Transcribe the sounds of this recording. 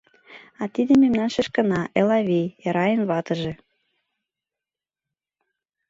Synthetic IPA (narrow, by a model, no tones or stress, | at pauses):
ɑt̪id̪ememnɑnʃĕʃkə̆nɑʔelɑβijɑɾɑjənβɑt̪ə̆ʒĕ